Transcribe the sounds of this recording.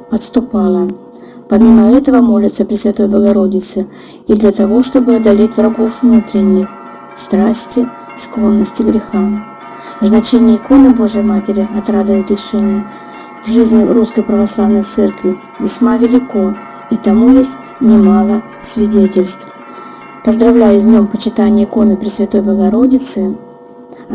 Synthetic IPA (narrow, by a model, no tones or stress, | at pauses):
ɐt̪st̪ʊpalˠə | pɐmʲiməɛt̪əvəmo̞lʲɪt̪səpɾʲɪsvʲɪt̪o̞jbəɡɐɾo̞dʲɪt̪sɨ | id̪lʲɐt̪ɐvo̞ʂt̪o̞bɨɐd̪ɐlʲetʲvrɐɡo̞fvnut̪ɾʲɪnʲːɪx | st̪ɾasʲtʲɪ | sklˠo̞nːəsʲtʲɪɡɾʲɪxa | znɐt͡ɕenʲɪjəɪko̞nɨbo̞ʐɨjəmatʲɪɾʲɪɐt̪ɾad̪ɨvəjʊt̪ɾʲɪsʂɛnʲɪjə | vʐɨzʲnʲɪɾuskəjpɾəvɐslˠavnəjt̪sɛrkvʲɪ | vʲɪsʲmavʲɪlʲɪko̞ | it̪ɐmujesʲtʲ | nʲɪmalˠə | sʲvʲɪdʲetʲɪlʲst̪f | pəzd̪ɾɐvlʲæjʊsʲdʲnʲo̞mpət͡ɕɪt̪anʲɪjəɪko̞nɨpɾʲɪsvʲɐt̪o̞jbəɡɐɾo̞dʲɪt̪sɨ